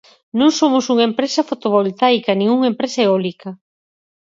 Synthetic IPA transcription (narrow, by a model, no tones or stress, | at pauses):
nõŋsomʊsuŋaempɾesɐfot̪oβolt̪ajkɐnĩŋuŋempɾesaeolikɐ